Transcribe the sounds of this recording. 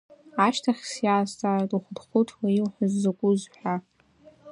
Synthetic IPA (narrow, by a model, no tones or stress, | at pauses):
aʃtʰaχʲsjaːstʰʼaːratʼuχʷdχʷʊtʰwailħʷazːakʷʼuzħʷᶣa